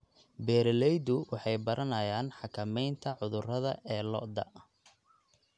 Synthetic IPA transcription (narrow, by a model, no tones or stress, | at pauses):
bɛːɾɛlɛjd̪ʊwɑħɑjbɐɾʔɐnɐjaːnħɑkʰɐmɛjnt̪ʰɐʕʊðʊrɐðɐʔɛːlɔ̰ʔd̪ɐ̰